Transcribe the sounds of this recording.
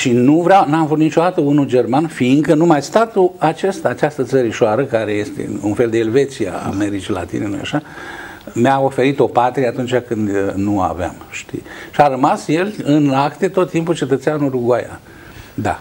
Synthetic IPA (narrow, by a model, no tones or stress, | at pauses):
ʃinuvɾeawnamvut̪nit͡ʃo̞d̪at̪əunud͡ʒe̞rmanfiŋkənumajst̪at̪uat͡ʃe̞st̪aːt͡ʃast̪ət̪səɾiʃoaɾəkaɾe̞je̞st̪ḛunfe̞ld̪eːlve̞t̪sia̰a̰me̞ɾit͡ʃila̰t̪ḭnelo̰ja̰ʃa | meao̞fe̞ɾit̪o̞pat̪ɾieat̪unt͡ʃʲakɨnd̪nua̰vea̰mʃt̪ḭʃiaɾəmasje̞lɨnakt̪e̞t̪o̞t̪ːimput͡ʃe̞t̪ət̪seanuɾuɡwaja̰ | d̪a̰